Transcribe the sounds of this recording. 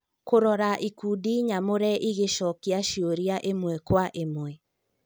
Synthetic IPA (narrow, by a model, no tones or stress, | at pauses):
koɾɔɾaʔikuːdiɲamoɾɛʔiɣeʃɔkiaʃioɾiaʔemwɛkwaʔemwɛ